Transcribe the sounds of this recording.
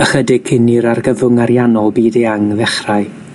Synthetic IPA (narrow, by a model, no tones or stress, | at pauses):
əχədɪɡ̚kʰɪnɪɾarɡəvʊŋaɾjanɔlˠbiːdɛaŋðɛχraj